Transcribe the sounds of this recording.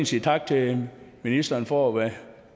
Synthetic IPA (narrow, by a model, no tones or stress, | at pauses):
nsiːt͡sʰɑ̈ɡ̥̚t͡sʰe̝minisd̥ɐːnfɒʋæ